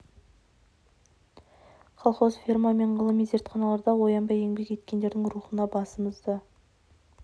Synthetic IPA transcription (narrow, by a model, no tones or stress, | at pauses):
χʰɑlˠχozfʲirmɑme̞ɴʁəlˠəmize̞ɾt̪χɑnɑlˠɑɾd̪ɑwo̞jɑnbɑje̞ŋbe̞ke̞t̪̚kʲe̞nd̪e̞ɾd̪ɪŋɾuχənɑbɑsəməzd̪ɑ